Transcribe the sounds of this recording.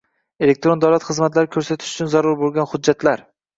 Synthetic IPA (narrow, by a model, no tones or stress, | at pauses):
e̞lek̚ʲt̪ɾo̞nd̪awlat̪χɨzmat̪laɾɪkʰɵɾsat̪ʰɪ̥ʃʊ̥t͡ʃʰʊnzaɾʊɾbolˠɡʲanhʊdd͡ʒːat̪ʰlaɾ